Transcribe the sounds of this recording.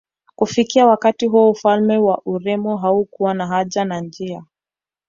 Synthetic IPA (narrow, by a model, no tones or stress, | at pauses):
kufikiawakatiɦuɔufalmɛwaʔuɾɛmɔɦaukuwanaɦaʄanand͡ʒia